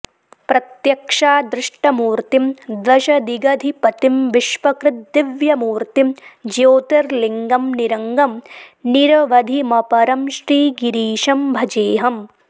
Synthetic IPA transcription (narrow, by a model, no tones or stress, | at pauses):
pɾɐt̪jɐkʂaːd̪ɾɪʂʈɐmuːɾt̪imd̪ʋɐʃɐd̪iɡɐd̪ʱipɐt̪imʋiʃʋɐkɾɪd̪ːɪʋjɐmuːɾt̪imd͡ʒoːt̪ɐɾliŋɡɐmniɾɐŋɡɐmniɾɐʋɐd̪ʱimɐpɐɾɐmʃɾiːɡiɾiːʃɐmbʱɐd͡ʒeːɦɐm